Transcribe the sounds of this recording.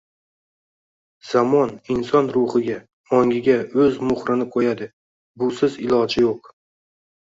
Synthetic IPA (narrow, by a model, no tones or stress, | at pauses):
z̥amɒnɪnsɒnɾʊχɪɡʲa | ɒŋʲɪɡʲaɵzmʊχɾɪnɪqʰojad̪ɪ | bʊsɪzɪlˠɒd͡ʒɪjoq̚